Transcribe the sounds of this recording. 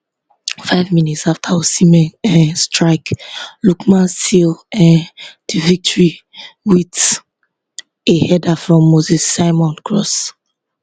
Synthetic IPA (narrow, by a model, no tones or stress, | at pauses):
faɪvminitsaftʰaosimɛ̃nɛ̃stʰɹaɪklukmãnstilɛ̃d̥ivik̚tʰɔɹi | wit | ehɛdafɹɔ̃mːozisːaɪmɔ̃nkʰɹɔs